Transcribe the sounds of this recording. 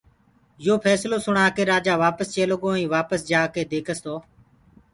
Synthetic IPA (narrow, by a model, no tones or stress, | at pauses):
joːpʰɛːsloːsʊɳaːkeːɾaːd͡ʒaːʋaːpəst͡ʃeːloɡõːĩːʋaːpəsd͡ʒaːkeːd̪eːkʰəst̪oː